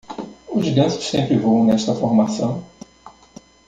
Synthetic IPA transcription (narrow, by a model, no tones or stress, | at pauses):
ʊzɡɐ̃sʊ̥sːẽmpɾɪvɐ̃w̃nɛʃt̪ɐfoɾmasɐ̃w̃